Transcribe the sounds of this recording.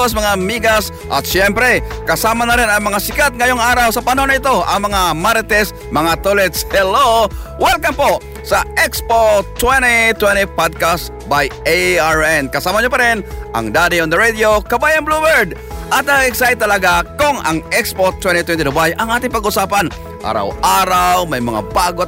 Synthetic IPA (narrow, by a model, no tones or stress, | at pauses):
s̬mɐŋamiɡas | ʔɐ̰t̪ʃjɛmpɾɛkɐsamanɐɾɪnɐŋmɐŋasɪkat̪̚ŋɐjoŋaːɾawsɐpanɐhonɐɪt̪oɐ̰ŋmɐŋamaɾt̪ɛs | mɐŋat̪olɛt̪shɛlowɛlkampo | sɐɛkspot̪wɛnit̪wɛnipad̪̚kast | bajeaɹɛnkɐsaːmɐɲop̬ɐɾɪnʔɐ̰ŋd̪ad̪ɪond̪ɐɾed̪jokɐbaːjɐnblubɛɹd̪ | ʔɐt̪̚nɐɡɡɪksaɪt̪ːɐlɐɡakʊŋɐ̰ŋɛkspot̪wɛnt̪it̪wɛnt̪ɪd̪ʊbajʔɐŋʔaːt̪ɪŋpɐɡʔʊsaːpan | ʔa̰ɾa̰wʔaːɾawmɐjmɐ̰ŋa̰baːɡo